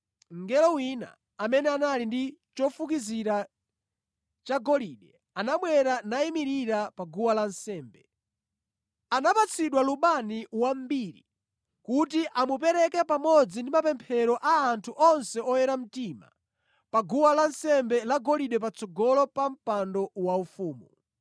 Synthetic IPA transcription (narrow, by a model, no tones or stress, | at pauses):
ŋɡɛlɔwina̰ | amɛnɛanalindit͡ʃɔfuk̬iziɾa | t͡ʃaɡɔliɗɛ | anaɓwɛɾanaimiɾiɾapaɡuwalan̩sɛːmbɛ | anapat͡sʰiɗwaluɓaniwam̩biːɾḭ | kutiʔamup̬ɛɾɛkɛpamɔd͡zindimapɛmpʰɛɾɔʔaːntʰuʔɔnsɛɔjɛɾam̩tiːma̰ | paɡuwalan̩sɛmbɛlaɡɔliɗɛpat͡sʰɔɡɔlɔpam̩pandɔwaufuːmu